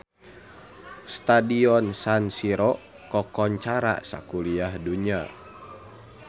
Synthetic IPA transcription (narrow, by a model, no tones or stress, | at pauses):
st̪adiɔnsansiɾɔʔ | kɔkɔɲt͡ʃaɾa̰sa̰kuliahduɲa